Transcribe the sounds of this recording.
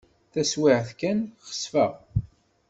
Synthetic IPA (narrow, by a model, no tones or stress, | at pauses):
θæswɪʕθkænχə̥sfæʁ